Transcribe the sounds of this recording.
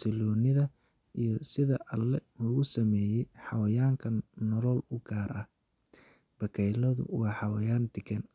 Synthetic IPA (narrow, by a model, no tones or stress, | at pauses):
sɪlɔːnɪðɐ | ijɞsɪðɐʔɐlːɛlʊɣʊsɐmɛːjɛjħɑwɐjaːŋkʰɐnɔlɔlʊɡaːɾʔɐh | b̥ɐkʰɛjlɐðʊ̰wɑːħɑwɐjaːnd̪ɪɡɛn